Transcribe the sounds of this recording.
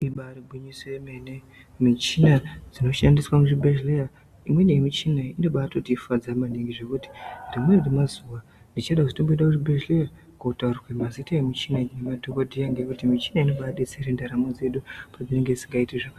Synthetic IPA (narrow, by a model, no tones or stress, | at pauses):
iɓaɾibʱuɲisoemene̞ | mit͡ʃinad͡zino̞ʃandiswamuʐibʱeʒleja | imwe̞neemit͡ʃinaino̞ɓaːtotiːfad͡zamaneŋɡiʐe̞kuti̥ndimweremazuwa | ndit͡ʃaɗakuzitomboiɗakuʐibʱeʒleja | kuutaurrwemazitaemit͡ʃinainematokodʱijaŋɡekutimit͡ʃi̥naino̞ɓaːɗe̞t͡seɾendaɾamod͡ze̞ɗupad͡zine̞ŋɡed͡ziŋɡaitiʐaka